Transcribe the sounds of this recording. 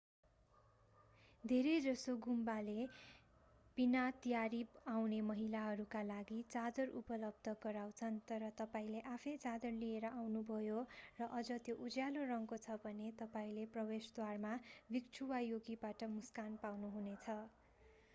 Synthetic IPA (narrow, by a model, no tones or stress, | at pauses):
d̪ʱeɾed͡zʌsoɡumbale | pinat̪ijaɾibawnemʌɦilaɦʌɾukalaɡit͡sad̪ʌrupʌlʌb̚d̪ʱʌɡʌɾawt͡sʰʌnt̪ʌɾʌt̪ʌpaĩleʔapʰʌjt͡sad̪ʌrlieɾʌʔawnubʱʌjorʌʔʌd͡zʌt̪joʔud͡zjalorʌŋkot͡sʰʌbʱʌnet̪ʌpaĩleprʌbesd̪warmabikt͡sʰuwajoɡibaʈʌmuskanpawnuɦunet͡sʰʌ